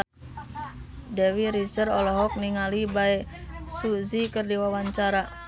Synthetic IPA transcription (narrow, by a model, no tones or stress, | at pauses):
dɛwiɾit͡ʃərɔlɔɦɔk̚niŋalibaɛsuzikərdiwawaɲt͡ʃaɾa